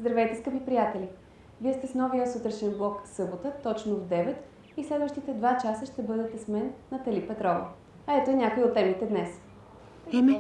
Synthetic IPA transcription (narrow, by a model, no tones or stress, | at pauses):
zd̪ɾɐvɛjt̪ɛskəpipɾijat̪ɛlʲi | viɛst̪ɛsnɔviəsət̪ɾɛʃɛnblˠɔksɤbot̪ət̪ɔt͡ʃnovd̪ɛvɛt̪ | islɛd̪vəʃt̪it̪ɛd̪vat͡ʃasəʃt̪ɛbɤd̪ɛt̪ɛsmɛnːɐt̪ɐlipɛt̪ɾɔvə̰ | ɐɛt̪oɛnʲakojot̪ːɛmit̪ɛd̪nɛs | ɛmɛ